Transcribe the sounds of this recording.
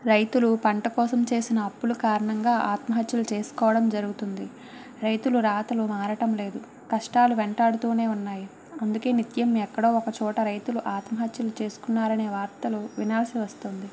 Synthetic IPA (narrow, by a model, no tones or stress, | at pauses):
ɾɐjt̪ulupɐɳʈɐkɔːsɐmt͡ʃe̞ːsinɐːpːulukaːɾɐɳɐŋɡaːʔaːt̪mɐɦɐt̪julut͡ʃe̞ːsu̥kɔːʋɐɽɐmd͡ʒɐɾuɡut̪und̪i | ɾɐjt̪uluɾaːt̪ɐlumaːɾɐʈɐmle̞ːd̪u | kɐʂʈaːluʋɛɳʈaːɽut̪uːne̞ːunːaːji | ɐnd̪uke̞ːnit̪jɐmːiɛkːɐɽo̞ːɔkɐt͡ʃɔːʈɐɾɐjt̪uluʔaːt̪mɐɦɐt̪julut͡ʃe̞ːsu̥kunːaːɾɐne̞ːʋaːɾt̪ɐluʋinaːlsiʋɐst̪oːnd̪i